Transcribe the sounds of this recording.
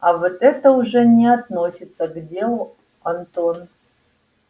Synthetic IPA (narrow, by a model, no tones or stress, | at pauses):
avot̪ɛt̪əuʐɛnʲɪat̪nosʲɪt̪səɡdʲelˠu | ant̪on